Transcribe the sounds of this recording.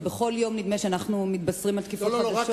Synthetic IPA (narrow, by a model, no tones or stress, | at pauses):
beχo̞ljo̞mnid̪meʃeanaχnumit̪̚basʁimalt̪kifoaaʃ